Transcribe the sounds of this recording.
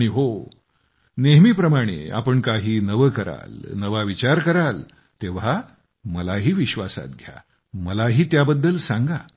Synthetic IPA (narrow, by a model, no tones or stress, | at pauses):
ɽ̃iɦo | neɦmiːpɾəmaɽ̃ḛa̰pəɳkaɦiːnəʋəkəɾa̰lnəʋaʋit͡ɕaɾkəɾal | t̪eʋ̤a | məlaɦiːʋiɕʋasa̰t̪̚ɡʱja̰ | məlaɦiːt̪jabəd̪ːəlsãŋɡa